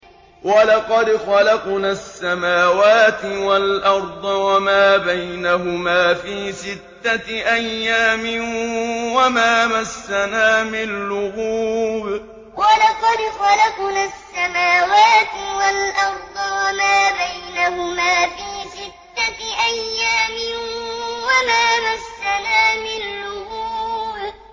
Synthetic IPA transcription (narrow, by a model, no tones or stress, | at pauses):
walɑqɑd̪xɑlɑqnasːamaːwaːt̪ɪwalʔɑɾˤd̪ˤɑwamaːbajnaɦʊmaːfiːsɪt̪ːaʔajːaːmɪ | wamaːmasːanaːmɪnnlʊɣuːb | walɑqɑd̪xɑlaqnasːamaːwaːt̪ɪwalʔɑɾˤd̪ˤɑwamaːbajnahʊmaːfiːsɪt̪ːaʔajːaːmɪnwamaːmasːanaːmɪnalʊhɣuːb